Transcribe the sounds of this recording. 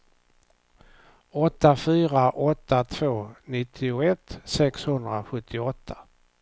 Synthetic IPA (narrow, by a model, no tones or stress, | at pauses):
ɔt̪ːafyːɾaʔɔt̪ːat̪ʰvoːnɪt̪ʰːɪʊɛt̪ːsɛkshɵnd̪ɾaɧɵt̪ʰːɪɔt̪ʰːa